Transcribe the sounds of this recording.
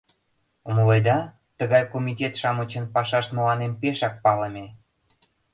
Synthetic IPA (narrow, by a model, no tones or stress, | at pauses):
oməlejd̪ɑ | t̪əɣɑjkomʲitʲet̪ʃɑmət͡ɕə̆npɑʃɑʃt̪mə̆lɑnempeʃɑk̚pɑləmʲe